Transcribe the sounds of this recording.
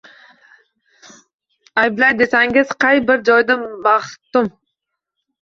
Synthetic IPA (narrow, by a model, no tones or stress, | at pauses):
ajblˠajd̪esaŋɪz̥qʰɑjbɪɾd͡ʒɒjd̪anbɑχt̪ːʊm